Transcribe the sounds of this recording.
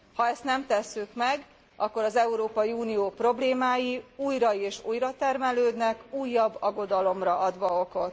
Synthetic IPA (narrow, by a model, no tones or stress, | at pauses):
hɒɛst̪nɛmt̪ɛsːykmɛɡ | ʔɒkːo̞ɾɒzɛuɾoːpɒjiuːnijoːpro̞bleːmaːjiuːjɾɒeːʃṵːjrɒt̪ɛrmɛløːd̪nɛkuːjːɒbːɒɡo̞d̪ɒlo̞mrɒʔɒd̪ʋɒo̞ko̞t̪ː